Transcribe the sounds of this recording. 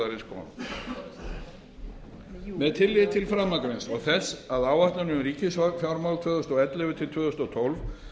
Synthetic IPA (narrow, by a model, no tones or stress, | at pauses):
aɾɪnskʰɔ̰ːn | mɛðt̪ʰɪlːɪðt̪ʰɪlfɾamːakvɪnsɔɣθɛsaðaːwvaht̪lanʏmɾiːcɪsafjawɾmawlt̪ʰvʏːðɔst̪ɔɛt̪lɛvʏt̪ʰɪlt̪ʰvœːðɔst̪ɔt̪ʰowlv